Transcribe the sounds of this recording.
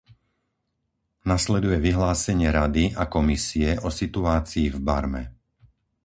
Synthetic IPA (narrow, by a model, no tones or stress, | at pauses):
naslɛd̪ujɛʋiɦlaːsɛɲɪɛɾad̪iakɔmisiɛʔɔsit̪uaːt͡siːvbaɾmɛ̰